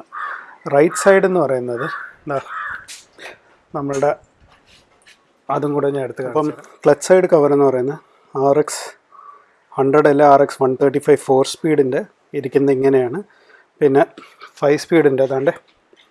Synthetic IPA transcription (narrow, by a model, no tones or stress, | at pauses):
rɐjʈsɐjɖe̞nːɨpɐrɐjunːɐðɨnd̪aː | nɐmːɐɭuɽe | ɐðuŋkuɽɐɲːaeɽut̪ːuɣɐpːɐmkɭɐt͡ɕːsɐjɖɨkɐʋɐɾenːɨpɐrɐjunːɐðɨ | aːreks | hɐɳɖrɐɽɐlːaaːreksʋɐnt̪ʰɐːʈːifɐjʋfo̞ːrspiːɽinde̞ | iɾikʲːunːɐiŋːɐnejaːɳɨ | pinːe̞fɐjʋspiːɽinde̞ɐðaːɳɖe̞